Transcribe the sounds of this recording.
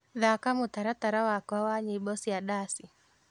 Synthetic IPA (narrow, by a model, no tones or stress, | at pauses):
ðakamutaɾataɾawakawaɲiɓɔsijaɗasi